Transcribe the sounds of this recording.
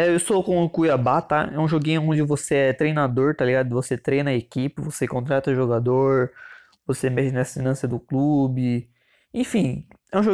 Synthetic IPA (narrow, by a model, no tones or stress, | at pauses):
ɛewsokõʊkujabat̪aɛũʒoɡĩɲʊõd͡ʒɪvoseɛt̪ɾejnad̪oɾt̪aliɡad̪ʊvoset̪ɾejnɐekipɪvosekõnt̪ɾat̪ɐʊʒoɡad̪oɾ | vosemɛʃɪnɐsinɐ̃sɐd̪ʊklubɪ | ẽfĩ | ɛũʒo